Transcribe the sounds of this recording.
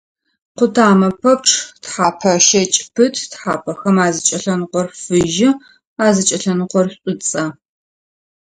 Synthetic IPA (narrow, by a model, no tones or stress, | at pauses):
qʷʊtʰaːmɐpʰɐp̚ʈ͡ʂʰtħaːpʰɐʃɐt͡ʃʼpʰɨtʰtħaːpʰɐxɐmaːzɨt͡ʃʼɐɬɐnɨqʷɔrfɨʒɪ | aːzɨt͡ʃʼɐɬɐnqʷɔrɕʷɕʼɪt͡sʼɐ